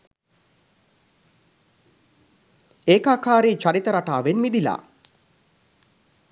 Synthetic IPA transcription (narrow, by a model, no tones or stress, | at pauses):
eːkaːkaːɾeːt͡ʃaɾit̪əɾaʈaːʋenmid̪ila̰ː